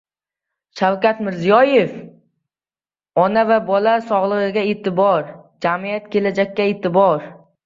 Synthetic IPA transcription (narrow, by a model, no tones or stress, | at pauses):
ʃawkʲat̪mɪɾzijɒjef | ɒnavabɒlasɒʁlˠɨʁɨɡʲaet̪ʰɪbɒɾd͡ʒamijat̪kʲʰe̞lad͡ʒak̚ʲːaet̪ʰɪbɒɾ